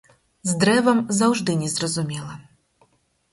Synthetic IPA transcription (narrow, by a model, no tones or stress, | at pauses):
zd̪ɾɛvɐmzɐwʐd̪ɨnʲɛzɾɐzumʲɛlˠɐ